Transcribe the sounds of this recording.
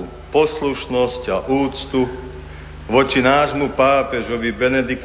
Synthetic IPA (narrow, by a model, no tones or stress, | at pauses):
pɔsluʃnɔscaʔuːt͡st̪u | ʋɔt͡ʃinaːʒmupaːpɛʒɔʋibɛnɛd̪ik